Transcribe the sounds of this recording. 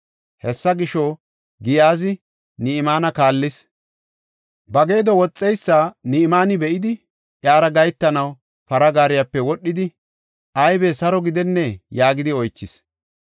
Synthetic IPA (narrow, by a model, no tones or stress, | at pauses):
hɛsːɐɡɪʃɔ | ɡɪjaːzɪ | niɪmaːnɐkaːlːɪs | bɐɡe̞ːd̪ɔwɔt͡sʼːɛjsːaːniɪmaːnɪbɛʔɪd̪ɪ | ʔjaːɾɐɡɐjt̪ːɐnɐw | pɐɾɐɡaːɾɪjapːɛwɔɗːɪd̪ɪ | ʔɐjbesɐɾɔɡɪd̪ɛnːɛjaːɡɪd̪ɪɔjt͡ʃːɪs